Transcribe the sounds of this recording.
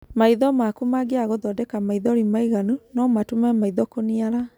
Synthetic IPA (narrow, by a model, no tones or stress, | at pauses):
maiðɔmakumaɡeaɣoðɔdɛkamaiðɔɾimaiɣanunɔmatumɛmaiðɔkoniaɾa